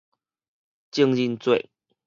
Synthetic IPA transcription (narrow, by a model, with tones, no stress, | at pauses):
t͡ɕi˥˧ŋi˥˧nt͡swe˥˨ɪ